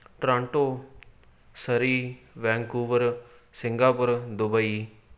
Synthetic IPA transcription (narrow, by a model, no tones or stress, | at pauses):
ʈɾãːɳʈoː | səɾiːʋɛ̃ːŋkuːʋəɾ | sɪŋɡaːpəɾd̪ʊbəiː